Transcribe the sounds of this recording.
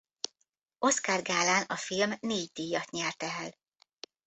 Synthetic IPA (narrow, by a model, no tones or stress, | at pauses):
o̞skarɡaːlaːnɒfilmneːɟd̪iːjɒt̪ɲɛrt̪ɛɛl